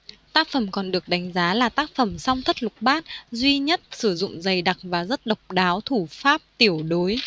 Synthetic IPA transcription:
t̪aː˦˥k̚fə˧˩mkɔ˨˩nɗɨ˨˩ək̚ɗa˨˦jŋ̟zaː˨˦laː˨˩t̪aː˦˥k̚fə˧˩msɔ˧wŋ͡mt̪ʰə˦˥t̚lʊ˨˩k͡p̚ɓaː˦˥t̚zwi˧ɲə˦˥t̚sɨ˧˩zʊ̰˧˨ŋ͡mzə˨˩jɗa˨˩k̚vaː˨˩zə˦˥t̚ɗə˨˩wk͡p̚ɗaː˨˦wt̪ʰu˧˩faː˦˥p̚t̪i˧˩əwɗo˨˦j

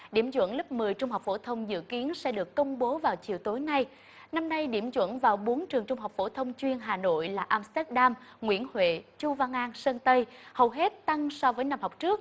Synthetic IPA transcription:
ɗḭ˧˩əmzwə̰˧˥˨nlə˦˥p̚mɨ˨˩əjt͡ɕʊ˧ŋ͡mɦa˨˩wk͡p̚fo̰˧˩t̪ʰə˧wŋ͡mzɨ̰˧˨ki˨˦ənsɛ̰˧˥ɗɨ˨˩əkːə˧wŋ͡mɓo˨˦vaː˨˩wt͡ɕḭ˨əwt̪o˨˦jna˧j | na˧mna˧jɗḭ˧˩əmzwə̰˧˨nvaː˨˩wɓo˨˦nt͡ɕɨ˨˩əŋt͡ɕʊ˧ŋ͡mɦa˨˩wk͡p̚fo̰˧˩t̪ʰə˧wŋ͡mt͡ɕwi˧ənɦaː˨˩no̰˧˨jlaː˨˩ʔaː˧mst̪ɛ˦˥t̚ɗaː˧mŋwḭ˧˥˩ənhwḛ˧˨t͡ɕu˧vaː˧ŋʔaː˧nsəː˧nt̪ə˧jhə˨˩wɦe˦˥t̚t̪a˧ŋsɔ˧vəː˨˦jna˧mha˨˩wk͡p̚t͡ɕɨ˦˥ək̚

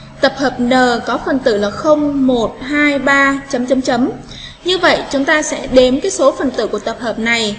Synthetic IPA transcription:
t̪ə˨˩p̚həː˨˩p̚nəː˨˩kɔ˨˦fə˨˩nt̪ɨ̰˧˩laː˨˩xə˧wŋ͡mmo˨˩t̚haː˧jɓaː˧t͡ɕə˨˦mt͡ɕə˨˦mt͡ɕə˨˦m | ɲɨ˧və̰˧˨jt͡ɕʊ˨˦ŋ͡mt̪aː˧sɛ̰˧˥ɗe˨˦mkaː˨˦jso˨˦fə˨˩nt̪ɨ̰˧˩ku˧˩ət̪ə˨˩p̚həː˨˩p̚na˨˩j

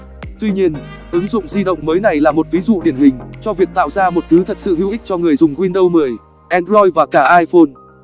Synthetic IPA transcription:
t̪wi˧ɲi˧ən | ʔɨ˨˦ŋzʊ̰˧˨ŋ͡mzi˧ɗə̰˧˨wŋ͡mməː˨˦jna˨˩jlaː˨˩mo˨˩t̚vi˨˦zṵ˧˨ɗḭ˧˩ənhï˨˩ŋ̟t͡ɕɔ˧vi˨˩ək̚t̪a̰ː˧˨wzaː˧mo˨˩t̚t̪ʰɨ˨˦t̪ʰə˨˩t̚sɨ̰˧˨hḭ˧˥˨ʔi˦˥t͡ɕɔ˧ŋɨ˨˩əjzʊ˨˩ŋ͡mkwi˧nɗə˧wmɨ˨˩əj | ʔɛ˧nzɔ˧jvaː˨˩kaː˧˩ʔaː˧jfo˧n

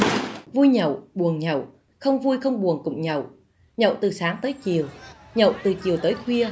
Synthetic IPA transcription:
vu˧jɲə̰˧˨wɓu˨˩ənɲə̰˧˨w | xə˧wŋ͡mvu˧jxə˧wŋ͡mɓu˨˩ənkʊ̰˧˨ŋ͡mɲə̰˧˨w | ɲə̰˧˨wt̪ɨ˨˩saː˨˦ŋt̪əː˨˦jt͡ɕi˨˩əw | ɲə̰˧˨wt̪ɨ˨˩t͡ɕi˨˩əwt̪əː˨˦jxʰwi˧ə

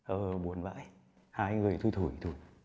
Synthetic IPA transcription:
ʔəː˨˩ɓo˨˦ənva̰ː˧˥j | haː˧jŋɨ˨˩əjt̪ʰu˧jt̪ʰu˧˩jt̪ʰu˧˩˦j

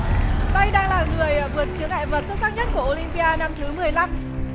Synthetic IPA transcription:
t̪a˧jɗaː˧ŋlaː˨˩ŋɨ˨˩əjvɨ˨˩ən̚t͡ɕɨ˨˦əŋha̰ː˧˨jvəː˨˩t̚sə˦˥t̚saː˦˥k̚ɲə˦˥t̚ku˧˩əʔo˧li˧mpi˧ʔaː˧na˧mt̪ʰɨ˨˦mɨ˨˩əjla˧m

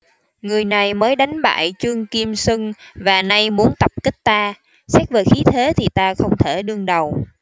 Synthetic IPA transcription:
ŋɨ˨˩əjna˨˩jməː˨˦jɗa˨˦jŋ̟ɓa̰ː˧˨jt͡ɕɨ˧əŋki˧msɨ˧ŋvaː˨˩na˧jmu˨˦ənt̪ə˨˩p̚ki˦˥k̟̚t̪aː˧ | sɛː˦˥k̚veː˨˩xi˨˦t̪ʰe˨˦t̪ʰi˨˩t̪aː˧xə˧wŋ͡mt̪ʰe˧˩ɗɨ˧əŋɗə˨˩w

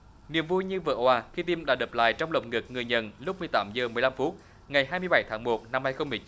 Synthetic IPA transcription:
nḭ˧˨əmvu˧jɲɨ˧və̰˧˩ʔwaː˨˩xi˧t̪i˧mɗa̰ː˧˥ɗə˨˩p̚la̰ː˧˨jt͡ɕɔ˧wŋ͡mɗə̰˨˩wk͡p̚ŋɨ˨˩k̚ŋɨ˨˩əjɲə̰˧˨˩nlʊ˦˥k͡p̚mɨ˨˩əjt̪aː˨˦mzəː˨˩mɨ˨˩əjla˧mfu˦˥t̚ | ŋa˨˩jɦaː˧jmɨ˧əjɓa˧˩˦jt̪ʰaː˨˦ŋmo˨˩t̚na˧mhaː˧jxə˧wŋ͡mmɨ˨˩ət͡ɕ

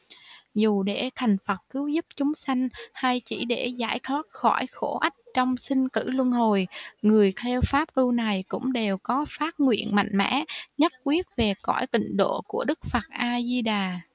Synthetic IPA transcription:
zu˨˩ɗe˧˩t̪ʰa˨˩jŋ̟fə˨˩t̚kɨ˨˦wzu˦˥p̚t͡ɕʊ˨˦ŋ͡msa˧jŋ̟haː˧jt͡ɕḭ˧˩ɗe˧˩za̰ː˧˩jt̪ʰwɔ˦˥t̚xɔ˧˩jxo˧˩ʔa˦˥k̟̚t͡ɕɔ˧wŋ͡msï˧ŋ̟kɨ̰˧˩lu˧ənɦo˨˩jŋɨ˨˩əjt̪ʰɛ˧wfaː˦˥p̚lu˧na˨˩jkʊ̰˧˥ŋ͡mɗe˨˩wkɔ˨˦faː˦˥t̚ŋwḭ˧˨ənma̰˧˨jŋ̟mɛ̰˧˥ɲə˦˥t̚kwi˦˥ət̚ve˨˩kɔ˧˩jt̪ḭ̈˧˨ŋ̟ɗo̰˧˨ku˧˩əɗɨ˦˥k̚fə˨˩t̚ʔaː˧zi˧ɗaː˨˩

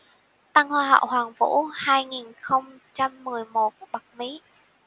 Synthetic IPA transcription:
t̪a˧ŋhwaː˧ɦa̰ː˧˨wɦwaː˨˩ŋvṵ˧˥haː˧jŋi˨˩nxə˧wŋ͡mt͡ɕa˧mːɨ˨˩əjmo˨˩t̚ɓa˨˩k̚mḭ˧˥

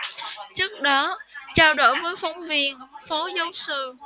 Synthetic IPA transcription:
t͡ɕɨ˦˥ək̚ɗɔ˨˦t͡ɕaː˧wɗo̰˧˩jvəː˨˦jfɔ˨˦wŋ͡mvi˧ənfo˨˦zə˨˦wsɨ˧˨

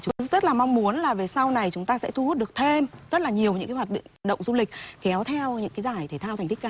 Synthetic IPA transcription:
t͡ɕʊ˨˦˧zə˦˥t̚laː˨˩ma˧wŋ͡mmu˨˦ənlaː˨˩ve˨˩sa˧wna˨˩jt͡ɕʊ˨˦ŋ͡mt̪aː˧sɛ̰˧˥t̪ʰu˧hu˦˥t̚ɗɨ˨˩ək̚t̪ʰe˧mzə˦˥t̚laː˨˩ɲi˨˩əwɲɨ̰˧˥kaː˨˦jwaː˨˩ɗ̰ŋ̚˩ɗə̰˧˨wŋ͡mzu˧lï˨˩k̟̚kɛ˨˦wt̪ʰɛ˧wɲɨ̰˧˥ŋkaː˨˦jzaː˧˩jt̪ʰe˧˩t̪ʰaː˧wt̪ŋ̟t̪ʰi˦˥k̚kaː˧˩

